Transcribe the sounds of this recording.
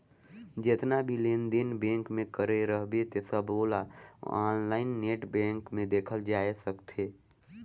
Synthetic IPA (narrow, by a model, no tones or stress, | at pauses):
d͡ʒɪt̪nabʱilẽːnd̪ɪnbẽːŋkmẽkəɾeɾəɦbet̪esəboːla̰aːnlaːɪnːeːʈbẽːŋkmẽd̪eːkʰəld͡ʒaːesəkt̪ʰeː